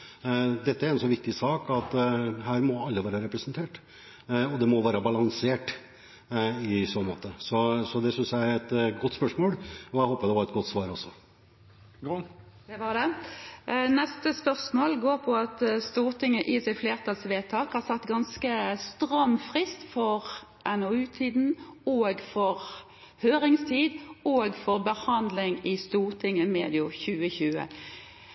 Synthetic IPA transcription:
d̪ɛt̪ːəæɾɛnsɔʋɪk̚t̪ɪsɑːkɑt̪ɦæːɾmɔɑlːəʋæːɾəɾɛpɾɛsnt̪ʰeːʈ | ɔd̪ɛmɔʋæːɾəbɑlɑŋseːʈ | ɪsoːnmo̰ːt̪əsɔsɔd̪ɛsʏnsjææɾɛt̪ɡɔt̪ːspœʂmoːlɔæhoːpːəd̪ɛʋɑɾɛt̪ɡɔt̪ːsʋɑːɾɔsːɔ | d̪̥ɛʋɑd̪ɛ | nɛst̪əspœʁsmoːlɡoːʁpʰɔɑt̪st̪uːʁt̪ʰɪŋːəʔɪsɪfleːʁt̪ʰɑlsʋeːt̪ʰɑːkhɑʁsɑt̪ːɡɑnskəst̪ʁɑmfʁɪst̪fɔʁ | ʔɛnoʉːt̪ʰiːd̪n̩oːɡfɔʁ | høːʁɪŋst̪ʰiːd̪oːɡfɔʁbəhɑnd̪lɪŋɪst̪uːʁt̪ʰɪŋːəmḛːd̪ɪʊçʉːəçʉːə̰

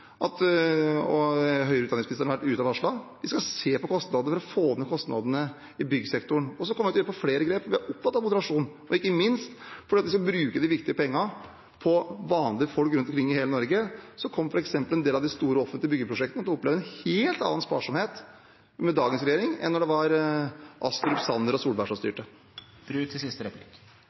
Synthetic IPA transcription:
ʔɑt̪ | ɔɦœʏɾʉt̪ɑɪŋsmnɪst̪əɳɑʋæʈːʉːt̪ɑʋɑʂɭɑːʋɪskɑseːpɔkʰɔst̪nɑd̪nəfɾɔfoːmːɛkʰɔst̪nɑ̰d̪ənə | ɪbʏɡːəsɛkt̪ʊɳɔs̬ɔkʰɔmːʋɪʉt̪jøːɾəpʰɔfleːɾəɡɾeːpfɔʋɪæɾɔpːfɑt̪ːɑʋmʊd̪əɾɑʂuːn | ɔɪkːəmɪnst̪fɔɖiːɑt̪ʋɪskɑlbɾʉːkəd̪ɪʋɪk̚t̪ɪəpʰɛŋːə | pʰɔʋɑːnlɪəfɔlkɾʉnt̪ɔmkʰɾɪŋːɪheːlənɔɾɡəsɔkʰɔmːfɔɾɛksɛmpəlɛnd̪eːlɑʋd̪ɪst̪uːɾəɔfət̪lɪəbʏɡːəpʰɾʊʂɛkt̪ənət̪ʰlɔpːleːʋd̪ɛnheːlt̪ɑ̰nːɑnspɑ̰ːʂɔmheːt̪ | mɛd̪ɑːɡəns̬ɾɛjeːɾɪŋɛ̰nːɔɖɛʋɑɾʔɑst̪ʊɾʉpsɑnəɾɔsuːlbæʂɑst̪y̰ːʈə̥ | ɾʉɪsɪst̪əɾɛplik

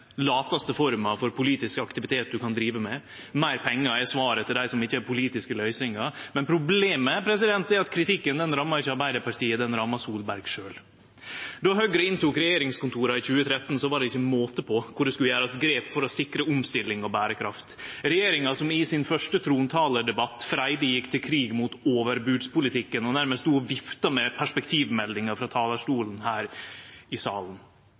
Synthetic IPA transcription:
lɑːt̪ɑst̪əfɔɾmɑfɔɾpʰʊliːt̪ɪskɑkt̪ɪʋɪt̪ʰeːt̪̚d̪ʉkɑnd̪ɾiːʋəmɛ | mæɪɾpʰɛŋːəɛsʋɑːɾət̪ʰɪld̪æɪsɔmɪçːəæɾpʊliːt̪ɪskəlœʏsɪŋɑɾmɛnpʰɾʊbleːməpʰɾɛsɪd̪ɛnt̪ɛɑt̪kʰɾɪt̪ɪkːənd̪ɛnɾɑmːɑɾɪçːəɑɾbæɪd̪əɾpɑʈ̪ʰiːəd̪ɛnɾɑmːɑsuːlbæɾɡʂøːl | d̪ɔɦœɡɾəɪnt̪uːkɾɛjeːɾɪŋskʊnt̪ʰuːɾɑɪçʉːət̪ʰɾɛt̪ːn̩sɔʋɑɖɛɪçːəmoːt̪əpʰɔkʰʊɖɛskʉləjæːɾɑst̪ɡɾeːpfɔɾɔsɪkɾəʊmst̪ɪlːɪŋɔbæːɾəkʰɾɑft̪ɾɛjeːɾɪŋɑsɔmɪsɪnfœʂʈət̪ʰɾuːnt̪ʰɑːləɖɛbɑt̪ːfɾæɪd̪əjɪkːt̪ʰɪlkʰɾiːɡmuːt̪oːʋəɾbʉːd̪spʊlɪt̪ʰɪkːənɔnæɾməsuːɔʋɪft̪ɑmɛpʰæʂpɛkt̪ʰiːʋmɛlːɪŋɑfɾɑt̪ʰɑːlɑʂʈuːln̩hæːɾɪsɑːlən

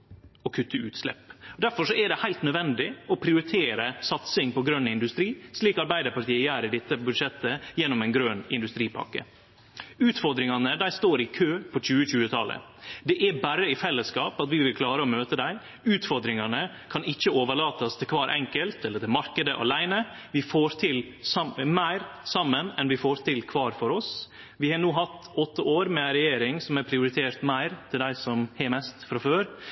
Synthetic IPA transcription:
ɔkʰʉt̪ːəʉːt̪slɛ̰pːd̪æɾfɔʂɔæɖɛhæɪlt̪nœd̪ʋɛnd̪ɪɔpʰɾɪʊɾɪt̪ʰeːɾəsɑt̪sɪŋpɔɡɾœnːɪnd̪ʉst̪ɾiːsliːkɑɾbæɪd̪əɾpɑɾʈ̪ʰiːəjæːɾəd̪ɪt̪ːəbʉd̪ʂɛt̪ːəjɛnːɔmɛɪnɡɾøːnɪ̰nd̪ʉst̪ɾiːpʰɑ̰kə̰ | ʉːt̪fɔɾd̪ɾɪŋɑnəd̪æɪst̪oːɾɪkʰøːpʰɔc͡çʉːəɕʉːət̪ʰɑlə̰ | d̪ɛʔæbæɾəɪfɛlːəskɑːpɑt̪ʋɪʋɪlkʰlɑːɾəomøːt̪əd̪æɪ | ʉːt̪fɔɾd̪ɾɪŋɑnə | kʰɑnɪçːəoːʋəɭɑːt̪ɑst̪ʰɪlkʰʋɑːɾʔɛ̰ŋkəlt̪ɛləʈ̪ʰɪlmɑɾkəd̪əʔɑ̰læɪnə | ʋɪfoːɾt̪ʰɪl | mæɪɾsɑmːənɛnʋɪfoːɾt̪ʰɪlkʰʋɑːɾfɔɾɔs | ʋɪhɑnuːɦɑt̪ːɔt̪ʰːəoːɾmɛɾɛjeːɾɪŋsɔmæɾpʰɾɪʊɾɪt̪ʰeːɾt̪mæɪɾt̪ʰɪld̪æɪsɔmhɛmɛst̪fɾɑføːɾ

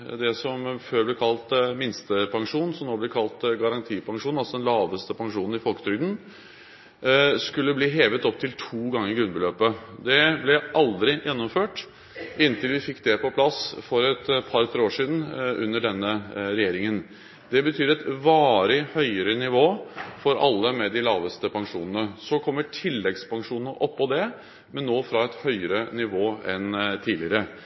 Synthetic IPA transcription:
d̪ɛsɔmføːɾblɛkʰɑlt̪mɪnst̪əpʰɑŋʂuːnn̩sɔmnoːblɛkʰɑlt̪ɡɑɾɑnt̪ʰiːpʰɑŋʂuːnɑlsɔd̪ɛnlɑːʋəst̪əpɑŋʂuːnn̩ɪfɔlkə̥t̪ʰɾʏɡd̪n̩ | skʉlːəbliːɦeːʋət̪ɔp̚t̪ʰɪlt̪ʰuːɡɑŋːəɾɪɡɾʉnbəløːpəd̪ɛblɛʔɑld̪ɾɪjɛnːɔmføːʈ | ɪnːt̪ɪlʋɪfɪkːd̪ɛpɔpʰlɑsfɔɾɛt̪pʰɑɾt̪ʰɾeːoːʂiːd̪n̩ʔʉ̰nːəɖɛnːəɾɛjeːɾɪŋən | d̪ɛbət̪ʰyːɾɛt̪ʋɑːɾɪhœʏəɾənɪʋoːfɔɾʔɑ̰lːəmɛd̪ɪlɑːʋəst̪əpʰɑŋʂṵːnənəsɔkʰɔmːəʈʰɪlːɛɡspʰɑŋʂuːnnəʔɔpːɔd̪ɛ | mɛnːoːfɾɑɛt̪hœʏəɾənɪʋoːɛnt̪ʰiːlɪəɾə

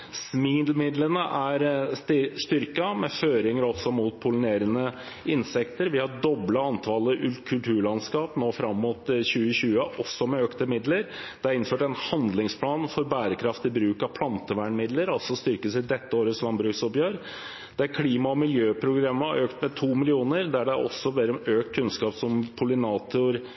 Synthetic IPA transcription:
smid̪lmɪd̪lənəʔæɾ | st̪ʏɾkɑmɛføːɾɪŋəɾɔsɔmuːt̪̚pʰʊləneːɾənə | ɪnsɛkt̪əɾʋɪhɑɖɔblɑɑnt̪ʰɑləʔʉlkʰʉlt̪ʰʉːɭɑnskɑːpnoːfɾɑmːuːt̪ɕʉːəɕʉːəʔɔsːɔmɛøːkt̪əmɪd̪ləɾd̪̥ɛæɾɪnføːʈɛnhɑnd̪lɪŋspʰlɑːnfɔɾbæːɾəkʰɾɑft̪ɪbɾʉːkɑʋpʰlɑnt̪əʋæːɳmɪd̪ləɾɑlsɔst̪ʏɾkəsɪd̪ɛt̪ːəoːɾəslɑmbɾʉːksɔpjøːɾ | d̪̥æɾkʰliːmɑɔmɪljøːpʰɾʊɡɾɑmːəʔøːkt̪mɛt̪ʰuːmɪlɪuːnəɾd̪æɖɛʔɔ̰sːɔbɛɾøːk̚t̪̚kʰʉnskɑːpsɔmkʰʊlɪnɑːt̪ʊɾ

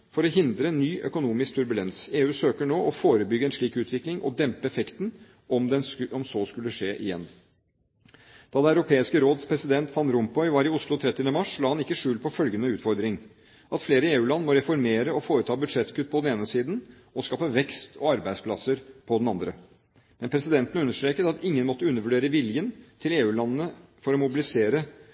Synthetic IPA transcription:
fɔɾɔɦɪnd̪ɾənːyːʔœ̰kʊnuːmɪsk̚t̪ʰʉɾbʉlɛnseːʉːsøːkəɳoːʔɔfoːɾəbʏɡːəɛnʂɭiːkʉːt̪ʋɪklɪŋʔɔ̰d̪ɛmpəɛfɛkt̪n | ʔɔmd̪ɛɔmsoːskʉlːəʂeːʔɪ̰jɛ̰nː | d̪̥ɑːd̪ɛæʉɾʊpʰeːɪskəɾoːd̪spʰɾɛsɪd̪ɛnt̪fɑnɾʊmpɔʏʋɑːɾɪʊslʊt̪ʰɾɛt̪ːɪənəmɑʂlɑːhɑnɪkːəʂʉːlpʰɔfœlɡənəʉːt̪fɔɾd̪ɾɪŋ | ʔɑt̪fleːɾəeːʉːlɑnːmɔɾɛfɔɾmeːɾəɔfoːɾət̪ʰɑːbʉd̪ʂɛt̪ːkʰʉt̪̚ːpʰɔd̪ɛneːnəsiːd̪n | ɔskɑːpəʋɛkst̪ʰɔɑɾbæɪspʰlɑsəɾpʰɔd̪nɑnd̪ɾə | mɛnpʰɾɛsɪd̪ɛnt̪ən̩ʉnːəʂt̪ɾeːkət̪ɑt̪ɪŋːənmɔt̪ːəʉnːəɾʋʉɖeːɾəʋɪljənt̪ʰɪleːʉːlɑnːənəfɔɾɔmʊbɪlɪseːɾə

